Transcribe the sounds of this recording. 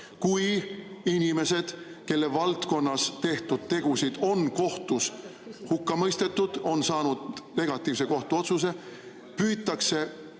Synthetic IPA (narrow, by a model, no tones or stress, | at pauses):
kujinʲime̞se̞d̪̥ | ke̞lːe̞vɑlt̪ko̞nːɑst̪e̞ht̪ud̪̥̚t̪e̞ɡ̥usid̪̥o̞nko̞ht̪ushukːɑmɤjst̪e̞t̪ːˑud̪̥o̞nsɑːnud̪̥ne̞ɡ̥ɑt̪ːˑiːvse̞ko̞ht̪uo̞t̪sus̬e̞ | pyːt̪ːˑɑkse̞